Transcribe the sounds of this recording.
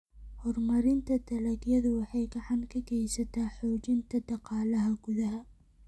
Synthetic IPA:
hɔrmɐɾɪnt̪ʰɐd̪ʰɐlɐɡjɐðʊwɑħɑjɡɐʕɑnkʰɐkʰɛjsɐt̪ʰaːħɔːt͡ʃɪnt̪ʰɐd̪ɑqɑːlɐɦɐɡ̥ʊðɐɦɐ

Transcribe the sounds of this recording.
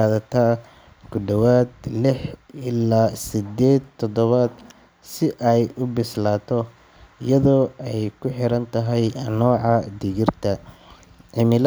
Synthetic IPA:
aːðɐt̪ʰaː | ɡʊɖɐwaːd̪lɪħɪlaːsɪd̪ɛːd̪t̪ʰːɔd̪ɔβad̪ | sɪʔɛjʊbɪslaːt̪ʰɔ | ɪjɐðɔːʔɛjkʰʊħɪɾɐnt̪ʰɐɦɛjnɔːʕɑd̪ɪɣɪrt̪ʰɐ | ʕɪmɪl

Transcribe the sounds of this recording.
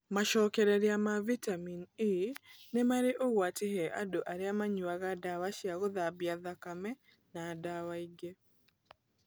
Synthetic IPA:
maʃɔkɛɾɛɾjamavitamininɛmaɾeʔowatɪhɛʔa̰doʔaɾjamaɲwaɣadawaʃjaɣoðabjaðakamɛ | nadawaiɡe

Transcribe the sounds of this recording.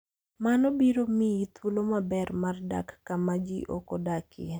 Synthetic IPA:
manɔbiɾomiit̪wulomabɛrmarda̰kːamad͡ʒḭʔo̰kodakʰɪ̰e

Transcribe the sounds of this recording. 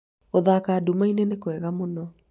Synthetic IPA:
oðakaːdumainenekwɛɣamonɔ

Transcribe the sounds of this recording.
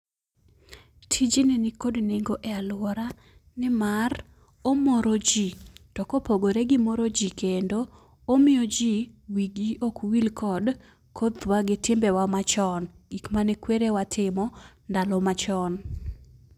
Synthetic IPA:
tʰid͡ʒinenɪkodneŋɡoʔɛalʊwɔɾa | nɪmar | omoɾod͡ʒitɔkopoɡoɾeɡɪmoɾod͡ʒikendoː | mɪjod͡ʒiwiɡiokwilkʰɔd | kʰot̪waɡɪtɪmbɛwamat͡ʃɔnɡikmanɛkweɾewatʰɪmɔndalɔmat͡ʃɔn

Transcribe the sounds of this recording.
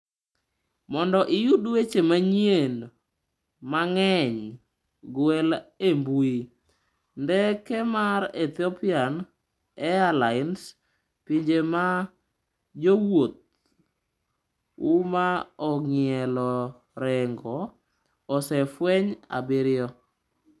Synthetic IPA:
mɔndɔʔijudwet͡ʃemaɲen | maŋɛɲ | ɡwɛlembui | ndɛkɛmaɾet̪ɪɔpɪan | ɛalaɪns | piɲd͡ʒema | d͡ʒowot̪̚ | umaɔŋɪɛlɔ | ɾɛŋɡɔː | sɛfwɛɲa̰bɪɾɪjɔ

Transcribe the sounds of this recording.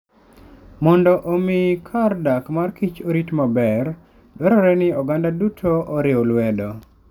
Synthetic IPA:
mɔndɔʔɔmɪkʰardakmarkit͡ʃoɾitmabɛr | dwɛɾɔɾɛnɪɔɡandadutʰoɔɾɪɔlwɛdɔ

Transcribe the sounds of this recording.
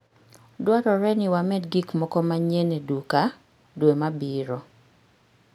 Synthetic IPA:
dwatɔɾɛnɪwamɛtɡikmɔkɔmaɲeneduka | dwemabiɾɔ

